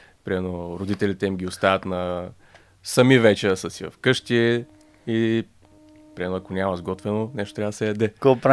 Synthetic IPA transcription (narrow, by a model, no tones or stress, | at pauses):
pɾimɛnoɾod̪it̪ɛlʲit̪ɛimɡʲiost̪avɐt̪nɐ | sɐmivɛt͡ʃɛsəsivɐ̰fkɤʃt̪iː | pɾʲimɛnoɐkonʲamɐzɡɔt̪vɛnonɛʃt̪ot̪ɾavd̪ɐsɛjɐd̪ɛkopɾ